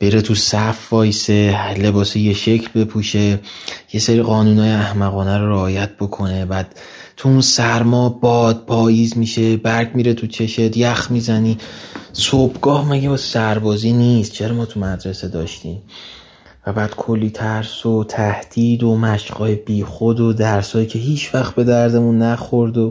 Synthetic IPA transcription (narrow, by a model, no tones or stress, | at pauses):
b̥e̞ɾe̞t̪ʰusæfːɒːjsele̞bɒːsije̞ʃe̞cʰlbe̞pʰuːʃe̞je̞seɾiːɣɒːnuːnɒːjeæhmæɣɒːnæɾoɾeɒːjæt̪̚b̥o̞kʰo̞ne̞bæːd̪̥ | t̪ʰuunsæɾmɒːbɒːd̪̚bʰɒːjiːzmiʃe̞bæɾɟmiːɾet̪ʰut͡ʃʰe̞ʃed̪jæxmizæniːsobɡɒːhmæɟibɒsæɾbɒːziːniːst̪̚t͡ʃʰe̞ɾɒmɒːt̪ʰumæd̪ɾese̞d̪ɒːʃt̪iːm | væbæːd̪̥kʰo̞lːiːt̪ʰæɾso̞t̪ʰæhd̪̥iːd̪o̞mæʃɢɒːjeb̥iːxod̪od̪æɾsɒːjiːcʰe̞ɦiːt͡ʃʰvæxt̪̚be̞d̪æɾd̪e̞munːæxoɾd̪o